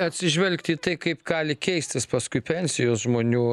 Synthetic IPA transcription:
ɐt̪ʲsʲɪʒʲʋʲɛlʲkt̪ʲiːt̪ɐɪkɐɪpɡɑːlʲɪkʲɛɪsʲt̪ʲɪspɐskʊɪpʲɛnʲsʲɪjoːsʒmoːnʲuː

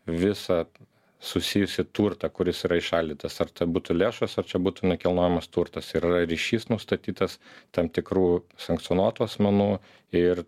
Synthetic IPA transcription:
ʋʲɪsɐ | sʊsʲɪjʊsʲɪt̪uːɾt̪ɐkʊɾʲɪsiːɾɐɪʃɐlʲd̪ʲiːt̪ɐsɐrt̪ɐbuːt̪ʊlʲeːʃɐsɐrt͡ʃʲɛbuːt̪ʊnʲɛkʲɛlˠnoːjɛmɐst̪uːɾt̪ɐsɪɾɪrɐɾʲiːʃʲiːsnʊst̪ɐt̪ʲiːt̪ɐst̪ɐmt̪ʲɪkɾuːsɐŋkt̪sʲiɔnuɔt̪uːɐsʲmʲɛnuː | ɪr

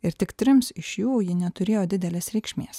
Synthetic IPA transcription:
ɪɾt̪ʲɪkt̪ʲɾʲɪmsɪʃjuːjɪnʲɛt̪ʊɾʲeːjoːd̪ʲɪd̪ʲɛlʲeːsɾʲɛɪkʃʲmʲeːs

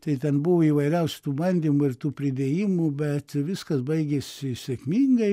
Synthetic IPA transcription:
t̪ɐɪt̪ʲɛnbʊʋoiːʋɐɪɾʲɛʊsʲʊ̥t̪uːbɐnʲd̪ʲimʊɪɾt̪uːpʲɾʲɪd̪ʲeːjiːmʊbʲɛt̪ʋʲɪskɐsbɐɪɡʲesʲɪsʲɛkʲmʲiŋɡɐɪ

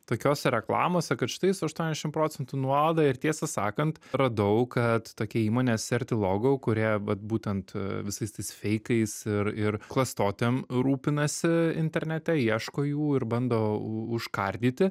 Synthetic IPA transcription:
t̪oːkʲoːsʲɛɾʲɛklˠɑ̰ːmoːsʲɛkɐt̪ʃʲɪt̪ɐɪsʊɐʃt̪uɔnʲɛzʲɛʃʲɪmpɾoːt͡sʲɛnt̪unuɔɐlˠd̪ɑɪɾt̪ʲiɛsɐsɑ̰ːkɐnt̪ɾɐd̪ɐʊkɐt̪toːkʲiɛiːmoːnʲeːssʲɛrʲt̪ʲɪlˠoːɡoʊkʊɾʲiɛʋɐt̪̚buːt̪ʲɛnt̪ʋʲɪsɐɪst̪ɐɪsfʲɛɪkɐɪsɪɾɪɾklˠɐst̪oːt̪ʲemɾuːpʲɪnɐsʲɪɪ̰nʲt̪ʲɛɾʲnʲɛt̪ʲɛiɛʃkoːjuːɪɾbɐnd̪oːʊʃkɐɾʲd̪ʲiːt̪ʲɪ

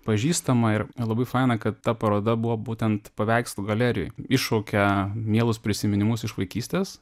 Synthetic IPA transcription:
pɐʒʲiːst̪ɐmɐɪɾlˠɐbɐɪfɑɪnɐkɐt̪ːɐpɐɾoːd̪ɐbʊʋoːbuːt̪ʲɛnt̪pɐʋʲɛɪkst̪ʊɡɐlʲæɾʲɪjo̰jɪʃoːkʲɛmʲiɛlˠʊspʲɾʲɪsʲɪmʲɪnʲɪmʊsɪʃʋɐɪkʲiːsʲt̪ʲeːs

